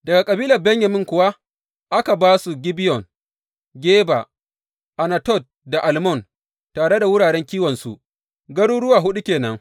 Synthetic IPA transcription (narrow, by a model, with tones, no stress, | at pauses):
dɐ˨ɡa˨kʼɐ˨biː˦lɐ˨rbɛ˦ɲjɐ˨mɪ˦ŋkʷʊ˨wa˦ | ʔa˦ka˨baː˦su˨ɡʲɪ˦bɪ˦jɔ˨n | ɡʲeː˦ba̰˨ | ʔa˨na˨tɔ˦˨t̚da˨ʔa˨lmɔ˦˨n | taː˨ɽe˦da˨wʊ˦ɽaː˨ɽɛ˦ŋkʲiː˦wɔ˨nsṵ˨ʔ | ɡɐ˦ɽuː˦ɽʊ˦waː˨ɦʊ˦ɗu˦kʲeː˨nɐ˦ŋ